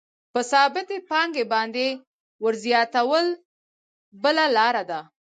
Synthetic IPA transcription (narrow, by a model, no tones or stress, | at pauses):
pəsɑbɪt̪epɑŋɡebɑnd̪e | wəɾzjɑt̪awəl | bəlalɑɾad̪a